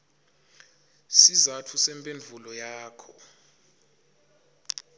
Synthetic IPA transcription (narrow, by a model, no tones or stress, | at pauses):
sizatʰusɛmpʼend͡vʱulɔjaːkʰɔ